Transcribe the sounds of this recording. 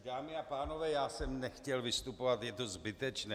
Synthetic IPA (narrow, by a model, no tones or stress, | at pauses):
daːmɪapaːno̞vɛːjaːsɛmnɛxcɛlvɪst̪upovat̪jɛt̪o̞zbɪt̪ɛt͡ʃnɛː